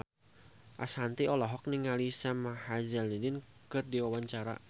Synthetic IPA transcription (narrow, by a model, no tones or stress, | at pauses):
ʔashant̪iɔlɔɦɔk̚niŋalisamahazalidɪnkɨrdiwawaɲt͡ʃaɾa̰